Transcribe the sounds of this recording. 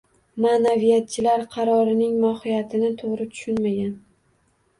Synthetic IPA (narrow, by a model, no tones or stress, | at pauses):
manavijat̪̚t͡ʃʰɪlaɾqʰɑɾɒɾɪnɪŋmɒhɪjat̪ʰɪnɪt̪ʰoʁɾɪt̪ʰʊ̥ʃʊnmaɡʲan